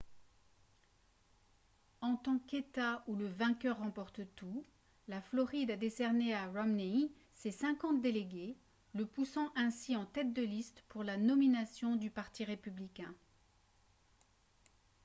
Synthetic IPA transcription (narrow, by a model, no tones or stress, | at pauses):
ɑ̃t̪ɑ̃ket̪auləvɛ̃kʲœʁːɑ̃pɔʁt̪t̪u | laflɔʁid̪ad̪esɛʁneaʁɔmni | sesɛ̃kɑ̃t̪̚d̪eleɡʲe | ləpusɑ̃ʔɛ̃siɑ̃t̪ɛt̪̚d̪əlist̪puʁlanɔminasjɔ̃d̪ypaʁt̪iʁepyblikʲɛ̃